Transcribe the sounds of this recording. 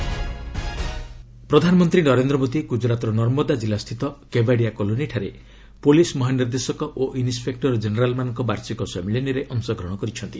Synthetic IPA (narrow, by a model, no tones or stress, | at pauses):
pɾɔd̪ʱanɔmɔnt̪ɾinɔɾend̪ɾɔmod̪iɡud͡ʒɾat̪ɔɾɔnɔɾmɔd̪ad͡ʒilast̪ʰit̪ɔkebaɽijakɔloniʈʰaɾe | polismɔɦaniɾd̪esɔkɔʔoʔinispek̚ʈɔɾd͡ʒeneɾalmanɔŋkɔbaɾsikɔsemiliniɾeʔɔŋsɔɡʱɾɔɽ̃ɔkɔɾit͡ʃʰɔnt̪i